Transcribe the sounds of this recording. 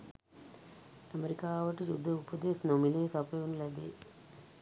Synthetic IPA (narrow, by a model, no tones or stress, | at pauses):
ɐmeɾikaːʋɐʈːid͡ʒud̪ʱːɐupɐd̪eːsnomileːsapeunlɐb̪ḛ